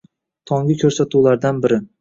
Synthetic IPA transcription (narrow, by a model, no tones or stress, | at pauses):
t̪ʰɒŋɡʲɪkʲʰɵɾsat̪ʰulaɾd̪anbɪɾɪ